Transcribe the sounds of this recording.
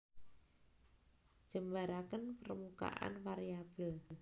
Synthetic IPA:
d̥ʒ̥əmbaɾakənpəɾəmuka̰ʔa̰nwaɾijab̥əl

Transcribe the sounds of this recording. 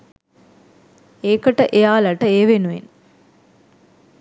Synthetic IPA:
eːkəʈəʔejaːlɐʈəeːʋenuʋḛn

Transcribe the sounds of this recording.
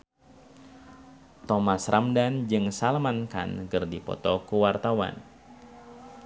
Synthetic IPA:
t̪ɔmasrʔamdand͡ʒɨŋsalmanka̰nɡɨrdipɔ̰t̪ɔkuwart̪awa̰n

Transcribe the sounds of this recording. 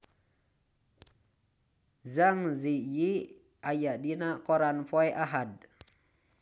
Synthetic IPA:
zaŋziji | ajaɗinakoɾanfojʔaɦad̚

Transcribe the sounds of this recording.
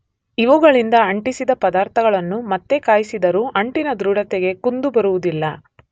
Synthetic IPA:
iʋuɡɐɭind̪ɐɐɳʈisid̪ɐpɐd̪aːɾt̪ʰɐɡɐɭɐnːumɐt̪ːekaːjisid̪ɐɾuːʔɐɳʈinɐd̪ɾuɽɐt̪ɛɡe̞kund̪ubɐɾuʋud̪ilːɐ

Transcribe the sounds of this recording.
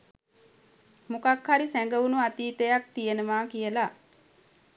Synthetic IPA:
mukakhaɾisæŋɡəʋunuat̪iːt̪əjakt̪ijənəmaːkijəla

